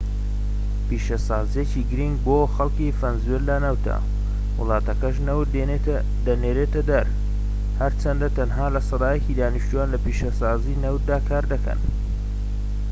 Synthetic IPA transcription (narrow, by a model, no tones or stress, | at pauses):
piːʃɐsɑːzijeciːɡɨɾiŋɡ̚boːxɐlˠkifɐnzwellɐnɐwt̪ʰɐ̰ | wɨ̰lˠɑːt̪ɐkɐʃ̬nɐwt̪ | d̪ɐneːɾeːt̪ɐd̪ɐɾ | hɐɾt͡ʃɐnd̪ɐt̪ɐnɦaːlɐsˤɑd̪ɑːjɐciːd̪aːniʃt̪ujaːnlɐpiːʃɐsɑːziːnɐwt̪̚d̪aːkʰaːɾd̪ɐkɐ̰n